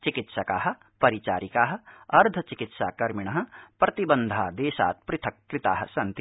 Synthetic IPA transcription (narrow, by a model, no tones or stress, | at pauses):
t͡ʃikit̪ʃɐkaːɦɐ̆ | pɐɾit͡ʃaːɾikaːɦɐ̆ɐɾd̪ʱɐt͡ʃikit̪ʃa̰ːkɐɾmiɳ̃ɐɦɐ̆pɾɐt̪ibɐnd̪ʱaːd̪eːʃa̰ːt̪̚pɾɪt̪ʰɐkːɾɪt̪aːɦɐ̰̆sɐnt̪i